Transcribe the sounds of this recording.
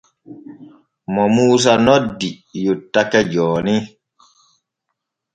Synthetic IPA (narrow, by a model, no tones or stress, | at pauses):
mɔmuːs̬anɔdi | jutːakɛd͡ʒɔːni